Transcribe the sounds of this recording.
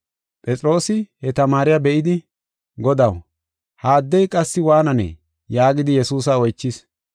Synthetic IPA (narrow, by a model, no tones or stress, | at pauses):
pʼɛt͡sʼɾo̞ːsɪhɛt̪ɐmaːɾɪjabɛʔɪd̪ɪ | ɡɔd̪ɐw | haːd̪ːɛjkʼɐsːɪwaːnɐnɛ̰ | jaːɡɪd̪ɪjɛsuːs̬ɐɔjt͡ʃːɪs